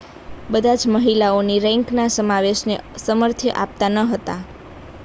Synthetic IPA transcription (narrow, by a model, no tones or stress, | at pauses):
bəd̪ʱad͡ʒməɦilaoniɾɛ̃ŋknasəmaʋeʃnesəməɾt̪ʰjəʔap̚t̪anəɦət̪a